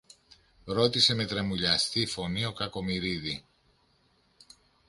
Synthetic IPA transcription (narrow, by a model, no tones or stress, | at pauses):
ɾo̞t̪ise̞me̞t̪ɾɐmuʎɐst̪ifo̞nio̞kɐko̞miɾiði